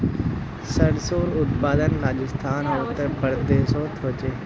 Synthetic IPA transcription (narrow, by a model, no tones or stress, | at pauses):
səɽsoːɾʊt̪̚paːd̪ənɾaːʄɪst̪ʰaːnɦoːt̪əpəɾd̪eːsoːt̪ʰot͡ʃeː